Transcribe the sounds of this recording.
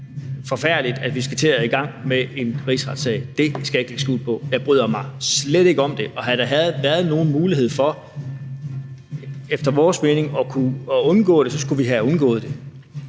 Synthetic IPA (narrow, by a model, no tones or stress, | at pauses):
fɒ̽fæɐ̰lid̥æd̥ʋisɡ̥æt͡sʰe̝æiɡ̥ɑ̈ŋ̰mee̝nʁḭsʁɑ̈d̥sɛɪd̥e̝sɡ̥æe̝ɡ̥leɡ̥sɡ̥ṵːd̥ˠpʰɒ̽jɑ̈ɪb̥ʁyð̰ˠɐmɑ̈ɪsleɾ̥e̝ɡ̥əɒ̽md̥e̝ʔɒ̽ɦæɾ̥ɑ̈ɦæð̩ˠʋæːɐð̞ˠno̝ːn̩muːliɦe̝ð̞̰ˠfɒ̽ | efd̥ɐʋɒːsme̝ːne̝ŋɒ̽kʰuɔ̽nɡ̥ɔ̰̽ːɾ̥e̝sɒ̽sɡ̥uʋiɦæɔ̽nɡ̥ɔ̰ːð̞̩ˠd̥e̝